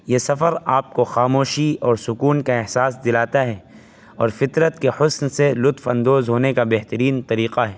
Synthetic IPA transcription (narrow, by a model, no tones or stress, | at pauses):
jesɐfəɾaːp̚koxaːmoːʃiɔːɾsʊkuːnkaɛɦsaːsd̪ɪlaːt̪aɦɛː | ɔːɾfɪt̪ɾət̪kehʊsnselʊt̪fɐ̃nd̪oːzɦoːnekabɛɦt̪əɾiːnt̪ɐɾiːqaɦɛː